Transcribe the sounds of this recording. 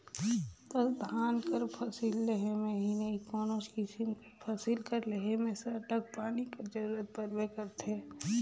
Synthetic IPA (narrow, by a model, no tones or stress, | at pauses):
t̪əsd̪ʱaːnkəɾpʰəsilːeɦemẽɦinɐɦikɔːnot͡ʃkɪsim | pʰɐsilkəɾleɦemẽseɐʈək̚paːniked͡ʒəɾuːɾət̪̚pəɾʋekəɾt̪ʰeː